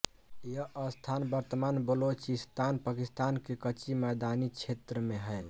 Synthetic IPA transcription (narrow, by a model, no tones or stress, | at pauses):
jəʔəst̪ʰanbəɾt̪əmanbəlot͡ʃist̪anpakist̪ankekət͡ʃimɛd̪anit͡ʃʰet̪ɾəmeɦəl